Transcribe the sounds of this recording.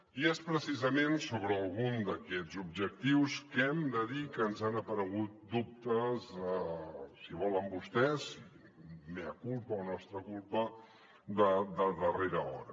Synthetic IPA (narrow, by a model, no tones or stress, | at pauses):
iɛspɾəsizəmensoβɾəːlˠɣund̪əkɛzub̚ʒək̚t̪iwskɛmd̪əðikəːnzanəpəɾəɣ̞ut̪̚d̪up̚t̪əzəsiβɔləmbust̪ɛsi | meəkulˠpəɔnɔst̪ɾəkulˠpə | d̪əd̪əðəreɾəɔ̰ɾə̰